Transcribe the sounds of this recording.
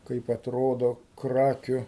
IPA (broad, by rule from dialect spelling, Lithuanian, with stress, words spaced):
ˈkɐɪp ɐtˈroːdoː ˈkrɑːkʲʊ